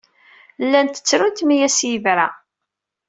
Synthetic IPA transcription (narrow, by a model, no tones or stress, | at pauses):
lːænt̪ə̥t͡sːɾʊnt̪mijæsjəvɾa